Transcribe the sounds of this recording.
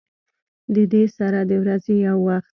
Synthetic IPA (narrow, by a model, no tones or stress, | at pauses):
d̪əd̪esaɾad̪əwɾazejawːaxt̪